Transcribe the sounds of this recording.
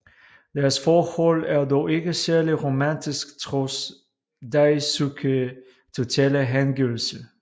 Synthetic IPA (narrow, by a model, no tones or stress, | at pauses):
d̥æɐsfɒːhɔlæɐdɒʊe̝ɡ̥əsæɐliʁo̝mændʰisɡ̥t͡sʰʁɔs | d̥æɪsukʰə | t͡sʰo̝t͡sʰɛːləɦænɡiʊl̩sə